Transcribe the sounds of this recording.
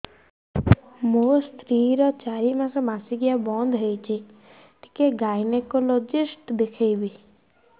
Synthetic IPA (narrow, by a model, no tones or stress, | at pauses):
most̪ɾiɾɔt͡ʃaɾimãsɔmasiɡijabɔnd̪ʱɦəjt͡ʃʰi | ʈ̪i̥keɡajnekolod͡ʒisʈd̪ekʰejbi